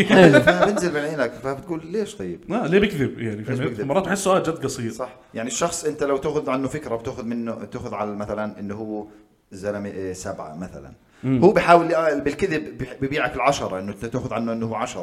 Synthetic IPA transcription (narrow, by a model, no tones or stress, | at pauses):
fabɪnzɪlbɪnʕiːnakfabɪt̪ɡuːlleːʃt̪ˤɑjːɪb̥aleːbɪkðɪb̚jaʕnifeɪk̪mɑɾˤɑːt̪bħɪsːʊʔaːld͡ʒad̪ːɡɑsˤiːɾsˤɑħ | jaʕniʃːɑxsˤʔɪnt̪alawt̪aʔxʊðʕanːʊfɪkɾabt̪aːxʊðmɪnːʊt̪aːxʊðʕalamaθalanʔɪnːʊɦʊwː | zanamʔsabʕa̰maθa̰la̰n | huːbɪħaːwɪlːʔabɪlkɪðɪbbɪbiːʕakɪlʕaʃɑɾˤɑʔɪnːʊt̪eːxʊðʕanːʊʔɪnːʊhʊwːʕaʃɑɾˤɑ